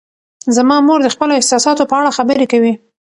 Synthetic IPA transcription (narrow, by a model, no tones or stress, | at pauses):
zamɑmoɾd̪əxpəloɪhsɑsɑt̪opəaɽaxabəɾekawi